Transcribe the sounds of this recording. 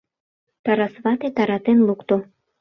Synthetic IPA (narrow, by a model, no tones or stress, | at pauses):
t̪ɑɾɑsβɑt̪et̪ɑɾɑt̪enlukt̪o